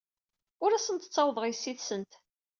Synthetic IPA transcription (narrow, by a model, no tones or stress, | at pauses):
ʊɾæsənt̪ət͡sːɑwðˤʁisːiθsənt̪